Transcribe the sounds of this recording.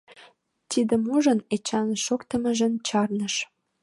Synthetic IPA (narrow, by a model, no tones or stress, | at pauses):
t̪id̪əmuʒənet͡ɕɑnʃokt̪əməʒənt͡ɕɑrnəʃ